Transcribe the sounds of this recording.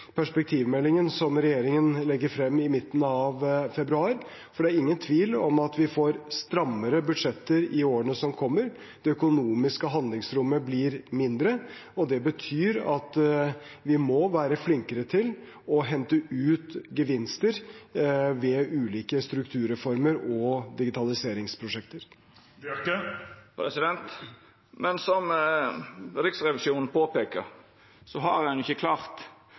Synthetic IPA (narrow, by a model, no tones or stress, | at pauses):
pʰæʂpɛk̚t̪ʰiːʋmɛlːɪŋənsɔmɾɛjeːɾɪŋənlɛɡːəɾfɾɛmːɪmɪt̪ːənəɑʋfɛbɾʉɑːɾ | fɔɖɛæɾɪŋːənt̪ʰʋiːlɔmɑt̪ʋɪfoːɾst̪ɾɑmːəɾəbʉd̪ʂɛt̪ːəɾɪoːəɳəsɔmkʰɔmːəɾ | d̪̥ɛœkʊnuːmɪskəɦɑnlɪŋsɾʊmːəblɪɾmɪnd̪ɾə | ɔd̪ɛbət̪ʰyːɾɑt̪ | ʋɪmɔʋæːɾəflɪŋkəɾət̪ʰɪl | ɔɦɛnt̪əʉːt̪ɡəʋɪnst̪əɾ | ʋɛʔʉːliːkəst̪ɾʉkt̪ʰʉːɾɛfɔɾməɾɔd̪ɪɡɪt̪ʰɑlɪseːɾɪŋspʰɾʊʂɛk̚t̪əɾ | əpʰɾɛsɪd̪ɛnt̪ | mɛnsɔm | ɾɪksɾɛʋɪʃuːnn̩pʰoːpeːkə̰ɾ | sɔɦɑɾhɛnʊɪçəkʰlɑːɾt̪